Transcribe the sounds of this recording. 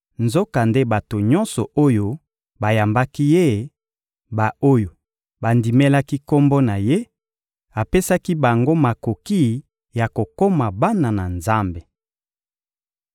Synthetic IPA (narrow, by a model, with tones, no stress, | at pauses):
nzo˦ka˨nde˦ba˨to˨ɲɔ˦nsɔ˨o˦jo˦ | ba˨ja˨mba˦ki˦je˦˨ | ba˨o˦jo˨ | ba˨ndi˨mɛ˦la˦ki˦ko˦mbo˦na˨je˦ | a˨pe˦sa˦ki˦ba˨ŋɡo˦ma˨ko˨ki˦ | ja˨ko˨ko˦ma˨ba˦na˨na˨nza˦mbe˨